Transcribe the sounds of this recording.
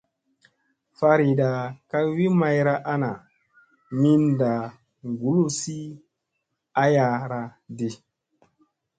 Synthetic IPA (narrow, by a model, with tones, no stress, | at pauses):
fa˦ɾi˨da˨ka˦wi˦ma˦jɾa˦ʔa˦na˨ | mi˦nda˨ | ŋɡu˨˦lu˦si˦ | a˦ja˧ɾa˦di˦